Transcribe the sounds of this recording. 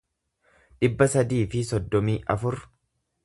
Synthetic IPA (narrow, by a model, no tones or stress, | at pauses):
ᶑɪbːɐsɐd̪iːfɪsɔd̪ːɔmiːʔɐfʊɾ